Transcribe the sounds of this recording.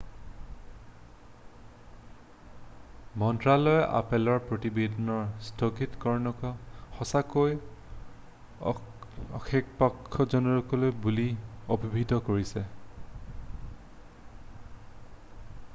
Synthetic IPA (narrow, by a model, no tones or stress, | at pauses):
mɔntɹalɔjɛʔa̰pɛlɔɹpɹotibedɔnɔɹstʰɔɡitkɔɹnɔkɔxɔsakoj | ɔ̰xekpakʰːɔzɔnɔɹɔkɔlojbuliobʱibʱidɔkoɹisɛ